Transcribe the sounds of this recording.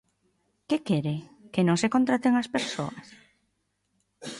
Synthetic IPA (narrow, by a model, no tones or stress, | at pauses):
kekeɾekenõŋsekont̪ɾat̪eŋɐspeɾso̰ɐs